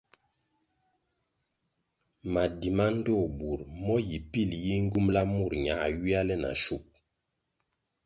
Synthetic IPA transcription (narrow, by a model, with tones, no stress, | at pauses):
ma˨di˨ma˦n˦dɔ˦˨bu˨ɾmɔ˦ji˨pi˦˨lji˦ŋ̩˦ɡu˦mla˦mu˦˨ɾɲa˨˦a˨ɥi˦a˦lɛ˦na̰˨ʃu˦˨p̚